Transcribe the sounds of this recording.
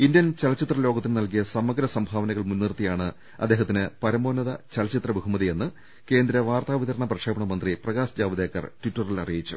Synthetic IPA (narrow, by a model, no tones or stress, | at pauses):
indjɐnt͡ɕɐlɐt͡ɕit̪rɐlo̞ːɡɐt̪ːinɨnɐlk̬ijɐsɐmɐɡɾɐsɐmbʱaːʋɐnɐɣɐɭmunːirt̪ijaːɳɨ | ɐ̰d̪ːe̞ːɦɐt̪ːinɨpɐɾɐmo̞ːnɐðɐt͡ɕɐlɐt͡ɕit̪rɐbukumɐðije̞nːɨ | ke̞ːnd̪ɾɐʋaːrt̪aːʋit̪ɐɾɐɳɐprɐkʂʰeːbɐɳɐmɐnd̪riprɐɣaːsd͡ʑaːʋɐd̪ðeːkːɐ̰rtwiʈːɐrilɐrijit͡ɕːu̥